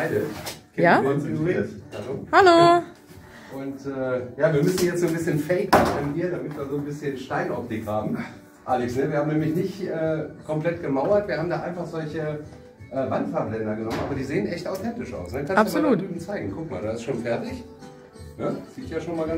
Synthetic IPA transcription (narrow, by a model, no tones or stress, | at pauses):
aɪdəkʰɛaɔnsinuʁitha̰loːhalo | ʔʊntʔɛːjaːviːɐmʏsn̩jɛt͡stzoːnbɪsçənfɛɪkmaχnviːɐdamɪtviːɐzoːnbɪsçənʃtaɪnʔɔp̚tɪkhaːbm̩ | ʔaːlɛksnəviːɐhaːmnɛːmlɪçnɪçtʔɛːkʰɔmpl̥ɛtɡ̥əmaʊɐtv̥iːɐhaːbm̩daːʔaɪnfaχz̥ɔlçə | ʔɛːvantfaːɐblɛndɐɡənɔmənʔaːbɐdiːzeːənʔɛçtaʊtʰɛntɪʃʔa̰ʊsnəkʰanstːusmːlauːyːbn̩t͡saɪɡŋ̩kʰʊk̚ma̰ːldaːɪstʃoːnfɛɐtɪç | nəz̥iːɪçjaːʃoːnmaːlɡa